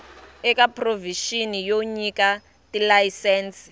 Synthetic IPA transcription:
ɛkapʰʼroviʃinijoɲika | tilajisɛːnsi̥

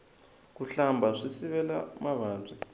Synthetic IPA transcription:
kuɬambʱaʂisiβɛlamaβaːnd͡zʱi

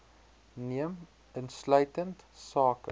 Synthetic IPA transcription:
niəm | ənslœɥtəntsɑːkə

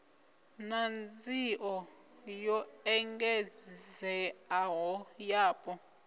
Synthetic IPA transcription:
nand͡ziʔɔ | jɔɛŋɡɛzzɛaɦɔjaːpʼɔ

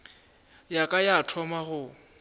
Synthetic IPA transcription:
jakʼajatʰɔmaχʊ

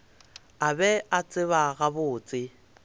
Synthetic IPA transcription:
abɛat͡sʼɪβaɣabʊːt͡sʼɪ

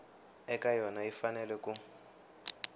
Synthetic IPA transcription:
ɛkʼajɔnaifanɛlɛkʼu

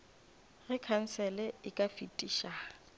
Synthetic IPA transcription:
ɣɪkʰan̩sɛlɛɪkʼafitʼiːʃa

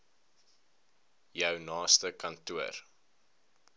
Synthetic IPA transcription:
jœwnɑːstəkɐntuər

